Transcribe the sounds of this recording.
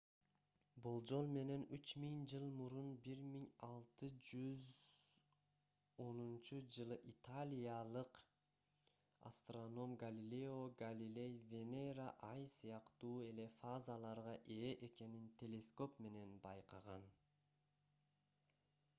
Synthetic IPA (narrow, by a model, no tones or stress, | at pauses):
bulˠd͡ʒo̞lˠme̞ne̞nyt͡ʃmiŋd͡ʒɯlˠmuɾunbiɾmiŋɑlˠt̪ɯd͡ʒyz | o̞nunt͡ʃud͡ʒɯlˠɯʔit̪ʰalʲijalˠɯq | a̰st̪rono̞mɡalʲilʲeo̞ɡalʲilʲe̞jvʲe̞nejraʔɑjsɯjɑqt̪uːe̞le̞fazalˠɑɾʁɑʔe̞ːʔe̞ke̞nint̪ʲʰe̞lʲe̞sko̞pme̞ne̞nbɑjqɑʁɑn